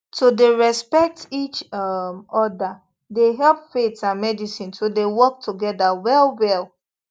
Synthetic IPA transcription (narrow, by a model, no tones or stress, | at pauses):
todeɹɛspɛk̚tit͡ʃmɔda | deɦɛlˠpfetãnmɛdisĩntodewɔk̚tʰuɡɛdawɛlˠwɛl